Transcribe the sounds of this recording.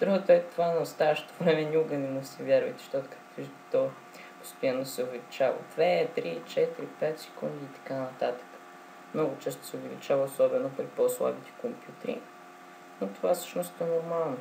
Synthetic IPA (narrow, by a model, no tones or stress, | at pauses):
d̪ɾuɡot̪əɛt̪ovanɐost̪avəʃɛ̥t̪ovɾɛmɛnʲuɡənɛmusʲɛvʲjaɾvə̰jt̪ɛ̥ʃt̪ɔt̪o̥kak̪i | t̪ɔ | po̥st̪ʲjanːosɛʊvɛlit͡ʃavə̰d̪̥vɛt̪ɾit͡ʃɛt̪iɾipɛt̪sɛ̥kund̪iːt̪ɐ̥kanɐt̪at̪ə̥kə̥ | mnɔɡʊt͡ʃɛst̪o̥sɛovɛlḭt͡ʃavəosɔbɛnopɾipɔslˠa̰bit̪ɛ̥kompʲjut̪ɛɾḭ | not̪ovafsɤ̥ʃnosnoɛnoɾmalˠno